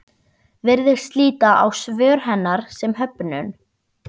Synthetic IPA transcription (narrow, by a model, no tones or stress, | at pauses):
vɪɾðɪ̥st̪liːt̪aʔawsvœːɾ̥ɦɛnːaɾ̥sɛmɦœpnʏ̰n